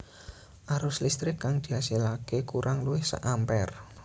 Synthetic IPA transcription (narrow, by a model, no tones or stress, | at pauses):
ʔaɾʊslist̪ɾɪkːaŋd̪̥i̤asilakekuɾʔaŋluɪhsa̰ʔampɛr